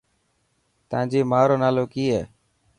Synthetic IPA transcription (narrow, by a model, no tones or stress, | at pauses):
t̪ãːd͡ʒiːmaːɾoːnaːloːkiːɦɛː